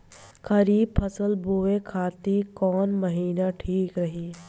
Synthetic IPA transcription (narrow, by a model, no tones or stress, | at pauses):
kɐɾiːb̚pʰəsəlboːekʰaːt̪ikɔːnməɦiːnaʈʰiːkɾɐɦiː